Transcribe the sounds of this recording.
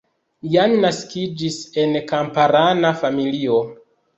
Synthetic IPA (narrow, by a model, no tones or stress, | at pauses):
janːaskid͡ʒise̞nkampaɾanafamilio